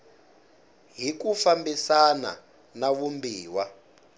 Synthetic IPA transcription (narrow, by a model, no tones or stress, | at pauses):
ɦikufambisana̰ | naβumbiːwa